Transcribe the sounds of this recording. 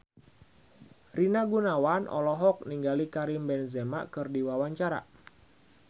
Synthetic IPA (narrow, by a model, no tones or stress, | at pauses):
rinaɡunawanʔɔ̰lɔɦɔk̚niŋɡalikaɾimbɛnzema̰ʔkɨrdiwawaɲt͡ʃaɾa̰